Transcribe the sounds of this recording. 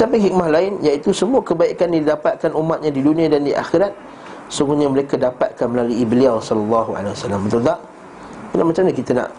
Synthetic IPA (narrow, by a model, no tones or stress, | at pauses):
sampajɦik̚mahlaɪnjaʔit̪usəmuəkəbaiʔkandidapat̪̚kanʔumat̪̚ɲãdidunĩãdandiʔa̰xiɾat̪̚ | suɡuɲaməɾekadapat̪̚kanməlaluibliawsɔlalːaɦua̰lewasalːambənt̪ud̪aʔ | əlamat͡ʃamɲakit̪ana̰ʔ